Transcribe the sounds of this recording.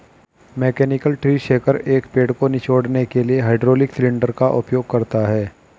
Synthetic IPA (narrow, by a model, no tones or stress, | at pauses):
meːkɛːnɪkəlʈɾiːʃeːkəɾeːkpeːɖkonɪt͡ʃoːɽnekelieɦaːɪɖɾoːlɪksɪlɪ̃ɳɖəɾkaʔʊpjoːɡ̚kɐɾt̪aɦɛː